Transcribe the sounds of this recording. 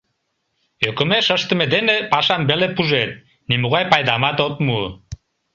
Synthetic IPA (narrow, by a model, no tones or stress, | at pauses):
økə̆meʃəʃt̪ə̆med̪enepɑʃɑnbelepuʒet̪̚ | nimuɣɑjpɑjd̪ɑmɑt̪op̪mu